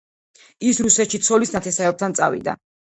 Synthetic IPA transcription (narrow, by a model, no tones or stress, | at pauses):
isɾusɛt̪ʃit̪sʰɔlisnat̪ʰɛsaɛp̚t̪ʰant̪sʼa̰vḭd̪a̰